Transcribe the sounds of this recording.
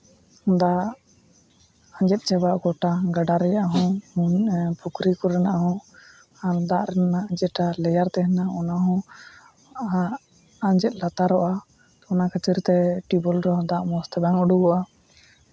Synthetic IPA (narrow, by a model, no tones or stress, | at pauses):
d̪a | aɲd͡ʒɛt̪̚t͡ʃɛbaʔɡɔʈaɡaɖaɾɛjaʔɦɔ̃unpʰukɾikɔɾɛnaʔɦɔ̃ | aɾd̪aʔɾɛnaʔd͡ʒɛʈalɛjaɾt̪ɛɦɛnaɔnaɦɔ̃ | aɲd͡ʒɛt̪̚ˀlat̪aɾɔʔa | ɔnakət͡ʃəɾt̪ɛʈibɔlɾɔɔ̃d̪aʔmɔst̪ɛbaŋuɖuɡɔʔa